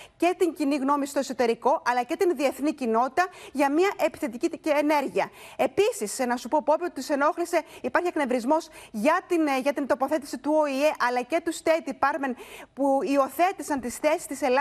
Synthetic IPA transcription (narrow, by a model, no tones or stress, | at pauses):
ce̞t̪iɲciniɣno̞misi̥t̪o̞sot̪e̞ɾiko̞ʔɐlɐce̞t̪inðie̞θnicino̞t̪it̪ɐʝɐmiɐʔe̞pi̥θe̞t̪iciene̞ɾʝiɐe̞pisisnɐsupo̞po̞piot̪it̪ise̞no̞xlise̞ipɐɾçiɐkne̞vɾizmo̞sʝɐt̪inʝɐt̪int̪o̞po̞θe̞t̪i̥sit̪uo̞ie̞ʔɐlɐce̞t̪ust̪e̞t̪ipɐɾmenpuio̞θe̞t̪isɐnt̪isθe̞si̥st̪ise̞lɐ